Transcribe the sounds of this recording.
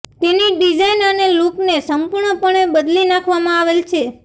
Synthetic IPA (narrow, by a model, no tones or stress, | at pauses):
t̪eniɖid͡ʒainəneluknesəmpuɾɳəpəɳebəd̪linãkʰʋamãaʋelt͡ʃʰe